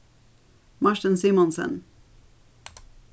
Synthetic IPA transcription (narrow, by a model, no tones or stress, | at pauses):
maʃʈənsimɔnsə̰n